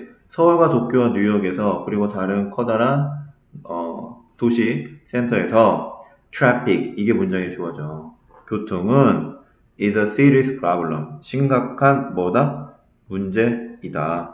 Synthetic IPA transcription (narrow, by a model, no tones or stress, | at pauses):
sʰʌuɭɡwatok͈jowaɲujʌɡe̞sʰʌkɯɾiɡotaɾɯnkʰʌdaɾan | ʌ̰ | toɕʰis͈ʰe̞ntʰʌe̞sʰʌ | tʰɾapʰik̚iɡe̞mund͡ʑaŋit͡ɕoʌd͡ʑo | kjotʰoŋɯn | isʌsiɾispʰɾabuɭːʌ̰mɕʰiŋɡakʰanmʌda | mund͡ʑe̞ida